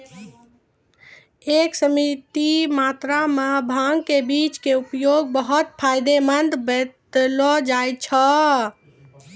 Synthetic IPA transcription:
eksəmit̪imat̪ɾamebʱaŋɡkebit͡ʃkeupjoɡ̚bəɦut̪̚pʰajd̪emənd̪bed̪lɔd͡ʒajt͡ʃʰə

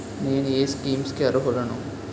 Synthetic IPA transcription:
ne̞ːnueːskiːmskiɐɾuɦɔɽɐnṵ

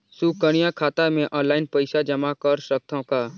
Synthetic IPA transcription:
suːkəɽ̃ijakʰaːt̪amẽʔɔ̃ːnlaːɪnpəɪʃad͡ʒəmakəɾsək̚t̪ʰõkaː

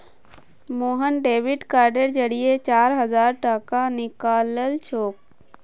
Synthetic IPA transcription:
moːɦənɖeːʋɪɖkaːɾɖəɾd͡ʒəɽijet͡ʃaːɾɦəzaːɾʈakanɪkaːləlt͡ʃʰoːk̚

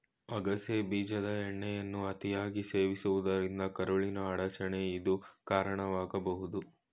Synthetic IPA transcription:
ɐɡɐsebiːd͡ʒɐd̪ɐɛɳːɛjɐnːuɐt̪ijaːɡiseːʋisuʋud̪ɐɾind̪ɐkɐɾoɭinɐːɽɐt͡ʃɐɳeid̪ukaːɾɐɳɐʋaːɡɐbɐɦud̪u

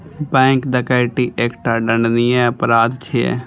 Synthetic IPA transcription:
bɛ̃ːŋkd̪əkaːɪʈiʔeːkʈaːɖəɳɖnijɛ̃əpɾaːd̪t͡ʃʰeḛ

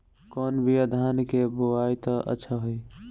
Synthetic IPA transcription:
kɔnbʱiəd̪ʱaːnkeboajt̪əʔə̰tːʃʰəɦoi

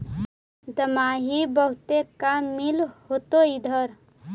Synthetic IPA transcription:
d̪əmaːɦibəɦʊt̪ekamilhot̪oid̪ʱəɾ

